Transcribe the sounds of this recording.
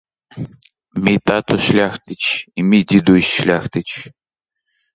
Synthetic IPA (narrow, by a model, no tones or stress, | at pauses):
mʲit̪at̪uʃlʲaxt̪ɨt͡ɕimid̪ʲid̪uɕʃlʲaxt̪ɨt͡ɕ